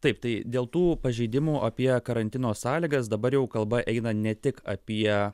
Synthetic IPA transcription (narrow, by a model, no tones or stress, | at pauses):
t̪ɐɪpt̪ɐɪd̪ʲeːlˠt̪uːpɐʒʲɛɪd̪ʲɪmuːʔɐpʲiɛkɐɾɐnʲt̪ʲɪnoːssɑːlʲiːɡɐs̬d̪ɐbɐɾjɛʊkɐlˠbɐʔɛɪnɐnʲɛt̪ʲɪkɐ̰pʲiɛ